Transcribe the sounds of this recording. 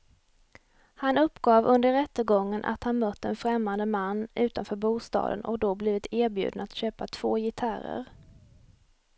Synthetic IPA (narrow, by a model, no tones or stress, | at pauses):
hanɵpːɡɑːvɵnd̪əɾɛt̪ːəɡɔŋːənʔa̰t̪hanmœt̪ːɛnfɾɛmːand̪əmanːʉ̟ːt̪anfœːɾbuːst̪ɑ̰ːd̪ə̰nʔɔ̰k̚d̪ɔbliːvɪt̪ʰeːɾbjʉ̟̰ːd̪naat̪ɕøːpat̪ʰv̥oːjɪt̪ʰaɾə̰ɾ